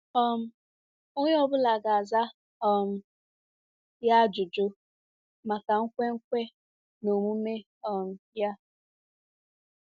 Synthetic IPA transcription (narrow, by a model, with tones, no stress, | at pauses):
ɔ˦m̩˦ | ʊ˦ɲ˦ɔ˦bʊ˦la˨ɡa˨za˦ | ɔ˨m̩˦ | ja˦d͡ʒʊ˨d͡ʒo˦ | ma˨ka˨ŋ̩˦kʷe˦ŋ̩˦kʷe˦ | no˨mu˦me˦ | ɔ˨m̩˨ja˦